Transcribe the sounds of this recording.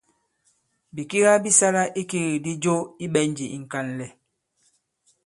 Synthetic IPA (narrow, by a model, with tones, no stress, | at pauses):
bi˨ki˦ɣa˦bi˦sa˦la˦ʔi˦ki˦ɣi˨di˦d͡ʒo˦i˦ɓɛ˦n˦d͡ʒi˨i˨ŋ̩˨ka˦˨n˨lɛ˨